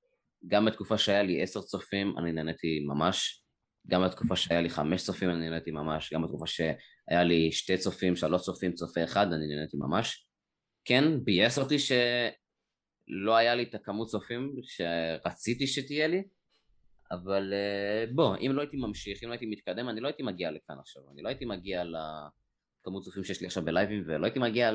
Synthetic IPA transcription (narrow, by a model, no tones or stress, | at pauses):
ɡambet̪kufaʃeajaliʔe̞seʁt͡so̞fima̰ninenet̪imamaʃ | ɡambet̪kufaʃeajaliχa̰meʃt͡sofimaninenet̪imamaʃɡambet̪kufaʃe | a̰jaliʃtet͡so̞fimʃealot͡sofimt͡sofeeχad̪aninenet̪ima̰maʃ | kenbijeseʁt̪iʃe̞ | lo̞ajalit̪akamut̚t͡so̞fimʃeʁat͡sit̪iʃet̪ijeli | avaleboʔḭmlo̞ajit̪imamʃiχimloait̪imit̪̚kad̪e̞maniloaitimaɡialekanaχʃava̰nilo̞ait̪imaɡiala | kamut̚t͡sofimʃejeʃliaχʃavbelajvimveloait̪imaɡia